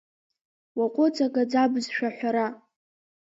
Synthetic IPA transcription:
waqʷʼʊt͡sʰʼaɡʼad͡zabzʃᶣaħʷᶣaɾa

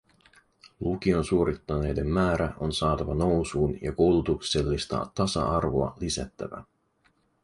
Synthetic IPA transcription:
luk̟io̞nsuoɾit̪ːɑne̞jde̞mːæːɾæʔo̞nsɑːt̪ɑʋɑno̞wsuːnjɑko̞wlut̪ukse̞lːist̪ɑ̰t̪ɑsɑ̰ʔɑrʋo̞ɑlisæ̰t̪ːæ̰ʋæ̰

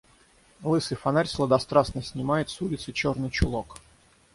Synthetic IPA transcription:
lˠɨsɨfɐnaɾʲslˠəd̪ɐst̪ɾasnəsʲnʲɪmajɪt̪sulʲɪt̪sɨt͡ɕornɨjt͡ɕʊlˠok

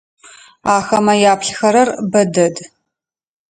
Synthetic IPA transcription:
aːxɐmɐjaːpʰɬxɐɾɐrbɐdɐd

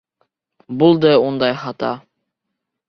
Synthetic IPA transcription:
bulˠd̪ɤund̪ɑjχɑt̪ɑ̰

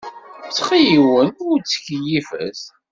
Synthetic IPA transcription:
t͡sːχijiwənʊɾt͡sːə̥çjifə̰s

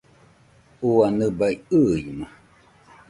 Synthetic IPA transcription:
uanɨbaiɯjma

